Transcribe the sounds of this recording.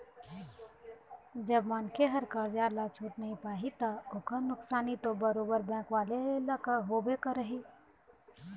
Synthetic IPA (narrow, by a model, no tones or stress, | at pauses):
d͡ʒəbmaːnkeɦəɾkəɾd͡ʒalat͡ʃʰuːʈnəɦĩpaːɦit̪aʊkanʊksaːnit̪obəɾoːbəɾbɛ̃ːkwaːlelakəɦoːbekəɾəɦi